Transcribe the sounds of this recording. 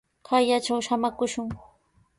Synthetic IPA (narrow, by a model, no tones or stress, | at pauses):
kʰajat͡ʃawʃamakʊʃʊŋ